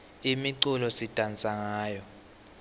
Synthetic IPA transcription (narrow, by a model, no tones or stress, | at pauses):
imiǀulɔsitʼant͡sʼaŋaːjɔ